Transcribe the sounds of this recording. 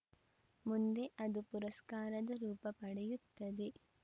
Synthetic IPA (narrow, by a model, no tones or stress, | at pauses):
mund̪eʔɐd̪upuɾɐskaːɾɐd̪ɐɾuːpɐpɐɽɐjut̪ːɐd̪e